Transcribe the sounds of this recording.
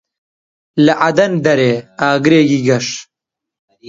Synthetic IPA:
lɐʔɐd̪ɐnd̪ɐɾeːaːɡɾeːɡiɡɐʂ

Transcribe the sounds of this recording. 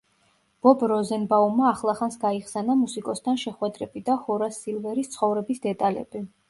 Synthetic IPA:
b̥ɔbɾɔzɛnbaumaːχlˠaχansɡaiχsɛnamusikʼɔst̪ʰanʃɛχwɛd̪ɾɛbid̪ahɔɾasilˠvɛɾist̪sʰχɔvɾɛbisd̪ɛt̪ʼalɛ̰b̥i

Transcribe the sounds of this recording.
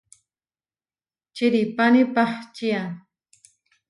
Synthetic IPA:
t͡ʃiɾipanipaχt͡ʃia

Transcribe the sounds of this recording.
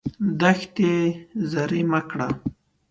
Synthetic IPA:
d̪axt̪ezaɾimakɽa̰

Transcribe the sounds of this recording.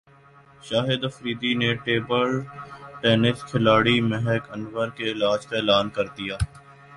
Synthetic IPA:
ʃaːɦɪd̪ɐfɾiːd̪ineʈeːbəlʈɛːnɪskʰɪlaːɽimɛɦɛkɐnʋəɾkeɪlaːd͡ʒkaeːlaːnkɐɾd̪ijaː

